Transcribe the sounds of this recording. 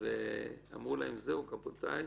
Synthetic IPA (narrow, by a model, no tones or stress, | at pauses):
vea̰mʁulaemzeukapot̪aj